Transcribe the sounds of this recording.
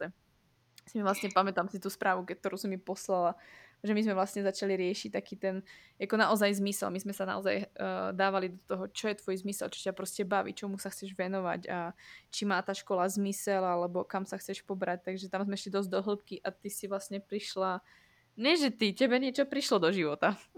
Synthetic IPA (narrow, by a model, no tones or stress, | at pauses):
ɛ | simivlasɲɛpamɛt̪amsit̪uːspɾaːʋukɛt̪ɔɾuːsɔmːipɔslalaʒɛmizmɛʋlasɲɛzat͡ʃaliɾɪɛʃic̚t̪akiːt̪ɛn | akɔnaʔɔzajzmisɛ̰lmizmɛsana̰ɔza̰jd̪aːʋalid̪ɔt̪ɔɦɔt͡ʃɔjɛt̪ʋɔjzmisɛ̰lt͡ʃɔ̥capɾɔscɛbaʋḭt͡ʃɔmusaxt͡sɛʒʋɛnɔʋa̰cat͡ʃimaːt̪aːʃkɔlazmisɛlalɛbɔkamsaxt͡sɛʃpɔbɾac̚t̪aɡʒɛt̪amzmɛiʃlid̪ɔzɟd̪ɔɦl̩p̚kiʔat̪isiʋlasɲɛpɾiʃla | ɲɛʒɛt̪icɛbɛɲɪɛt͡ʃɔpɾiʃlɔd̪ɔʒiʋɔt̪a